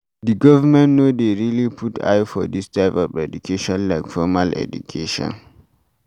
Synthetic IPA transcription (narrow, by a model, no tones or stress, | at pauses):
diɡɔvamɛ̃nnodeɹilipʰutʰa̰jfɔ̰distʰaɪpɔvɛdukʰeʃɔ̃nlaɪkfɔmalɛ̰dṵkʰeʃɔ̰̃n